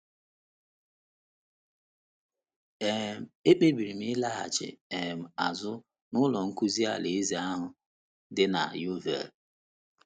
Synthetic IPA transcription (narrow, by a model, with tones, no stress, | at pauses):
e˨m̩˨e˦k͡pe˦bi˨ɾi˨m̩˦i˦la˦ɦa̰˨t͡ʃɪ̰˨e˨m̩˨a˨zʊ˦ | nʊ˦lɔ˨ŋ̩˦ku˦zi˦a̰˦˨le˨˦zi˦a˦ɦʊ˨ | dɪ˦na̰˨ju˦vḛ˨